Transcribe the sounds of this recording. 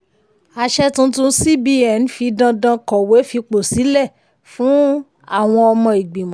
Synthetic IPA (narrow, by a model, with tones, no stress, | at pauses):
a˧ʃɛ˦tũ˦tũ˧˦si˦bi˦ɛ˨n˦fi˧dã˧dã˧kɔ˨we˨˦fi˧k͡po˨si˨˦lɛ˦˨ | fũ˨˦ | a˦˨w̃ɔ̃˧ɔ˧mɔ̃˧i˨ɡ͡bi˨mã˦˨˦